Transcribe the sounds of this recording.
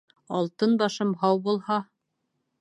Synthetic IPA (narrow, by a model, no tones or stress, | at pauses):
ɑ̰lˠt̪ɤnbɑʃɤmhɑwbulˠhɑ